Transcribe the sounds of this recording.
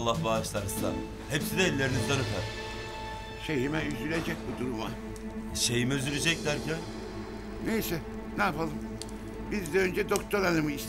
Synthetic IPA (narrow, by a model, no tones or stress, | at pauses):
lˠːahbaːʃlˠaɾsa̰ | hepsid̪ɛːlʲːeɾinizd̪anɯk̪ʰaɾ | ʃejhimænyzylʲed͡ʒɛc̚bud̪uɾuma | ʃejimøzyɾed͡ʒɛclʲæɾcʰæn | nejsɛ | naːpalˠɯm | bizd̪ɛønd͡ʒɛd̪okt̪ʰo̞ɾanɯmɯis